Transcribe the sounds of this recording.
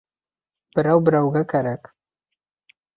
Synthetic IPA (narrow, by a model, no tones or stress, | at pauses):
b̥əɾawbɾawɡakaɾak